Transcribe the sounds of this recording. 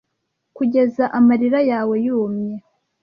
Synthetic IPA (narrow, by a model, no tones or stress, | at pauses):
kuɟe̞zaʔamaɾiɾajaːwe̞juːmɲe